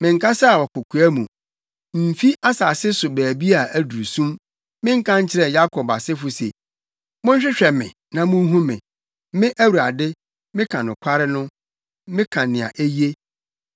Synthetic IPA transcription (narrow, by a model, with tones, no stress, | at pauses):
mɪ̃˨ŋ̩˨kʰa˦sa˦a˨wɔ˨kʊ˨kʰu˨æ˦mũ˨ | m̩˨fi˦a˦sa˨sɪ˦sʊ˨bæː˨bi˦a˨æ˨du˨ɾu˨sũ˦m | mɪ̃˦ŋ̩˦kʰã˦ɲ̩˦t͡ɕʰɪ˦ɾɛ˨ja˦kʰɔ˨ba˨sɪ˦fʊ˦sḛ˨ | mʊ̃˦ɲ̩˦ɕᶣɪ˦ɕᶣɛ˨mɪ̰̃˨ | nã˨mʊ̃˦ɦũ˦mɪ̃˨ | mɪ̃˦ʔæ˦wu˨ɾa˨dɪ˦ | mɪ̃˦kʰã˨nʊ̃˨kʰʷa˦ɾɪ˦nʊ̃˦ | mɪ̃˦kʰã˨nɪ̃˨a̰˨ʔe˦ji˦e˦